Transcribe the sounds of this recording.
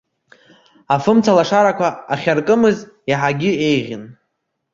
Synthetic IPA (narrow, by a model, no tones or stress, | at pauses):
afɨmt͡sʰalaʂaɾakʷaːχʲarkʼɨmɨz | iħaɡʲɪejʁʲɪn